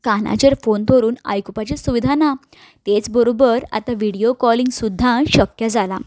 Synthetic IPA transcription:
kana̰t͡ɕeɾfont̪ʰoɾuːna̰jkupat͡ɕesuʋid̪ʱana | t̪et͡sbəɾobəɾa̰t̪aʋiɽiokɔliŋɡsud̪ʱːãɕəkjad͡zala̰

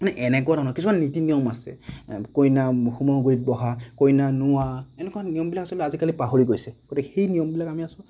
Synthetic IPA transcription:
manɛʔɛnɛkɔadanɔkisʰumannitinijɔmasɛ̰kojnaxumɔɡuɹit̚bɔɦakojnanʊwaɛnɛkɔanijɔmbilakasɔltazikalipaɦoɹiɡojsɛɡ̥otikxejnijɔmbilakamiasʊ̃

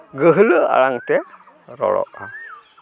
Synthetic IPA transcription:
ɡəɦələa̰ɭaŋt̪ɛ | ɾɔɭɔ̰ʔa

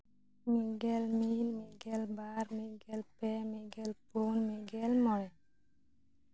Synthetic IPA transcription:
miɡɛlminmiɡɛlbaɾmiɡɛlpɛmiɡɛlpunmiɡɛlmɔjɛ

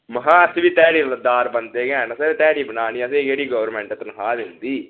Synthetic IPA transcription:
məɦãːəsʋiːt̪ɛːɽiːləd̪aːɾbənt̪eːɡɛ̃ːnəseːt̪ɛːɽiːbənaːniːəs̬eːkeːɽiːɡəʋəɾmɛ̃ːɳʈət̪nəɦaːd̪ɪnd̪iː

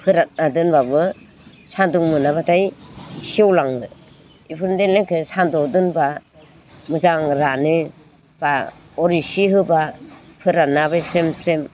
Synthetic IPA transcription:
pʰɯɾat̚nadɯnbabɯ | sandɯŋmɯnaβatʰajsiewlaŋmɯ | ipʰɯɾndenlekʰɯsandɔdɯnba | mɯzaŋɾanɯ | b̥a | ɔɾisiɦɯbapʰɯɾanabajsɾemsɾem

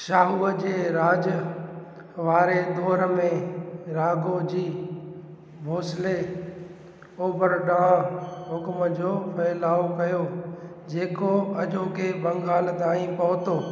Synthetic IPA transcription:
ʃaːɦuːəd͡ʑeːɾaːd͡ʑə | ʋaːɾed̪ʱɔːɾəmẽɾaːɡod͡ʑiː | bʱoːsle | oːbəɾɗaãɦʊkməd͡ʑoːpʰɐɪlaːokɐjo | d͡ʑeːkoɐd͡ʑoːkʰeːbɐ̃ŋɡaːld̪aːĩpɐʋʊt̪oː

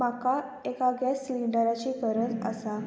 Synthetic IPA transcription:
maka | ekaɡjasːliɳɖəɾat͡ɕiːkəɾət̪ə̰sa

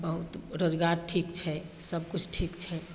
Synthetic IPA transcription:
bəɦut̪ɾod͡ʒɡaɾʈʰikt͡ʃʰɛ | səb̚kut͡ʃʰʈʰikt͡ʃʰɛ

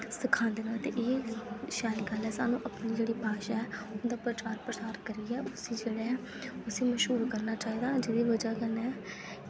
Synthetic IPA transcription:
səkʰãːnd̪eːnãːət̪ḛ̃ːʔeːʃaːɪlɡəlɛːsaːnũːʔəpniːd͡ʒeːɽiːpaːʃaːɛːʊnd̪aːpɾət͡ʃaːɾpɾəsaːɾkəɾiːɛːʔʊsĩːd͡ʒeːɽɛːɛ | ʊsẽːməʃɦuːɾkəɾnaːt͡ʃaːiːd̪aːd͡ʒɪd̪iːʋəd͡ʒaːkənɛː

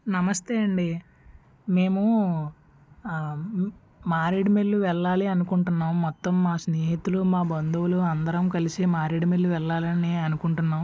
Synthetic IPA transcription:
nɐmɐst̪eːɐɳɖi | me̞ːmu | maːɾiɽimelːuʋɛɭːaːliɐnukuɳʈunːaːmːɔt̪ːɐmːaːsneːɦit̪ːulumaːbɐnd̪uwuluɐnd̪ɐɾɐmkɐlisimaːɾiɽimelːuʋɛɭːaːlɐniːɐnukuɳʈunːaːm

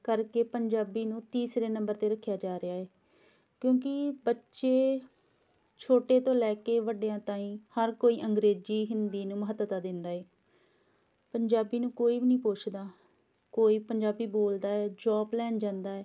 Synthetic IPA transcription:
kəɾkeːpəɲd͡ʒaːbiːnũːt̪iːsɾeːnə̃mbəɾt̪eːɾəkʰːjaːd͡ʒaːɾɪaːɦɛː | kjõːk̬ɪbətːʃeː | t͡ʃʰoːʈeːt̪õːlɛːkeːʋəɖejãːt̪aːĩːhəɾkoːiːʔəŋɡɾeːd͡ʒiːɦɪnd̪iːnũːməɦət̪ːət̪aːd̪ɪnd̪aːeː | pəɲd͡ʒaːbiːnũːkoːiːbinĩːpoːt͡ʃʰd̪aː | koːiːpəɲd͡ʒaːbiːboːld̪aːɛːd͡ʒɔːblɛːnd͡ʒãːnd̪aːɛː

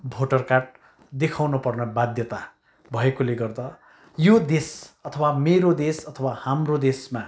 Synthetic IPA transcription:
bʱoʈʌrkarʈ̚ | d̪ekʰawnʌpʌrnʌbad̪jʌt̪a | bʱʌekoleɡʌrd̪ʌ | jod̪esʌt̪ʰʌwameɾod̪esʌt̪ʰʌwahamrod̪esma

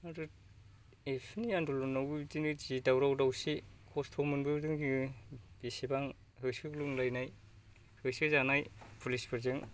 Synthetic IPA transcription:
aɾɯ | epʰnijandulunːawbɯbitinɯd͡ʒidawɾawdawsikʰostʰɔmɯnbɯdɯŋɡib̥isibaŋ | hɯsɯkluŋlajnaj | hɯsɯzanajpʰulispʰɯɾzɯŋ

